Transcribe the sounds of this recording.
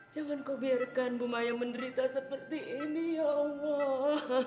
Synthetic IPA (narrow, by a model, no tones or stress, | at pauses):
d͡ʒaŋankowbiarkanbumajaməndəɾit̪asəpərt̪iʔinijaŋɔ